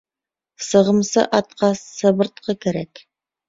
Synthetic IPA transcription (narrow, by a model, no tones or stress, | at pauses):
sɤ̆ʁɤ̆msɤ̰ʔɑt̪̚qɑsːɤ̆βɤ̆ɾt̪̚qɤkæɾæk